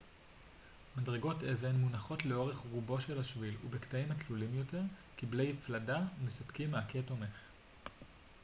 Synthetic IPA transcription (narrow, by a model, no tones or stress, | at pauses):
madʁe̞ɡo̞teve̞nmunaχo̞tle̞o̞ʁe̞χʁubo̞ʃe̞laʃvilṵbektaimatlulimjo̞te̞ʁkible̞jfladamesapkimːeaketo̞me̞χ